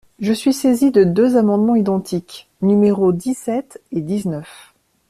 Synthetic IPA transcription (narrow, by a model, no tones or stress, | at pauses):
ʒəsɥisezid̪əd̪øzamɑ̃d̪mɑ̃id̪ɑ̃t̪ʰik | nymeʁod̪isɛt̪ed̪iznœf